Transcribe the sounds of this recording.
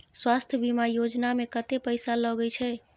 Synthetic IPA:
swast̪ʰjəbimajod͡ʒnamekət̪epəjsalɔɡɛjt͡ʃʰɛ

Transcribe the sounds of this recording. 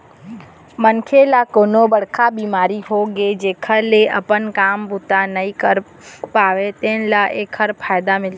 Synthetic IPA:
mənkʰelakoːnobɐɽ̤kʰabiːmaːɾiɦoɡed͡ʒeːkʰəleɐpənkaːmbʊt̪anɐikəɾ | paːʋet̪eːnlaʔeːkʰəɾpʰaːjd̪amɪl

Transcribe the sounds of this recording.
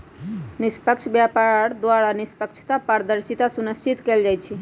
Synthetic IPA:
nɪspəkʃʰbjapaɽd̪ʋaɽanispəkt͡ʃʰt̪apəɾd̪əɾʃit̪asunəst͡ʃit̪kəld͡ʒajt͡ʃʰe

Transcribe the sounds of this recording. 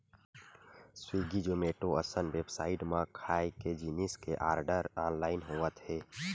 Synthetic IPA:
swiːɡid͡ʒoːmeːʈoəsənweːbsaːɪʈmãkʰaːeked͡ʒiːnɪskeʔaːɾɖəɾaːnlaːɪnɦoːət̪ɦɛː

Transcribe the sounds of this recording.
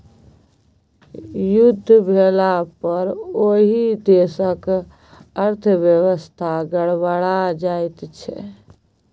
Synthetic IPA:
jud̪ʱːbʱelapəɾoɦid̪esək | əɾt̪ʰəbjəwəst̪ʰaɡəɽbaɽad͡ʒaɪt̪t͡ʃʰɛ̰

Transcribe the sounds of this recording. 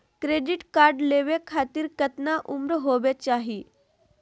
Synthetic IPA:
kɾeɖiʈkaɾɖleʋekʰat̪iːɾkət̪naʔumɾəɦobet͡ʃaɦi

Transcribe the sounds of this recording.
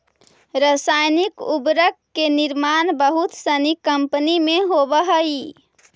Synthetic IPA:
ɾəsajnikubɾəkːeniɾmanbəɦut̪sənikəmpənimeɦobəɦəi

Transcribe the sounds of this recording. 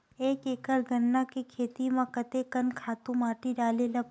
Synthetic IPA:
eːkeːkəɾɡɐnːakekʰeːt̪imãkɐt̪ekɐnkʰaːt̪ũmaːʈiɖaːlelɐp

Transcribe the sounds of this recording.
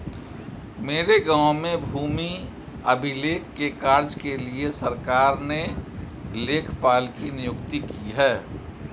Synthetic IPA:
meːɾeɡãːʊ̃mẽbʱuːmi | əbʱɪleːkːekaːɾd͡ʒkeliesəɾkaːɾne | leːkʰpaːlkinɪjʊkt̪ikiɦɛː

